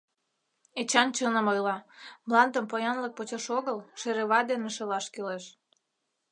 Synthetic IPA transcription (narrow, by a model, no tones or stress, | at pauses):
et͡ɕɑnt͡ɕənə̆mojlɑmlɑnd̪ə̆mpojɑnlək̚pot͡ɕɤʃoɣəlʃeɾeβɑd̪eneʃelɑʃkeleʃ